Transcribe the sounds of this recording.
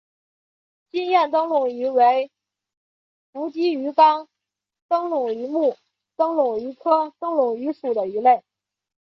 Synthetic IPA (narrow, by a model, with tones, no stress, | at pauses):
t͡ɕi˥njɛ˥˩nt̪ɤ˥ŋlʊ˨˩ŋy˧˥we˧˥ɪ | fu˧˥t͡ɕi˥y˧˥kɑ˥ŋ | t̪ɤ˥ŋlʊ˨˩ŋy˧˥mu˥˩ | t̪ɤ˥ŋlʊ˨˩ŋy˧˥kʰɤ˥t̪ɤ˥ŋlʊ˨˩ŋy˧˥ʂu˨˩d̪ə˦i˧˥le˥˩ɪ